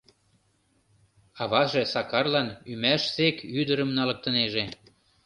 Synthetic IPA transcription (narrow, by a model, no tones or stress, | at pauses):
ɑβɑʒesɑkɑrlɑnymæʃsekyd̪əɾəmnɑlɤ̆k̚t̪ə̆neʒe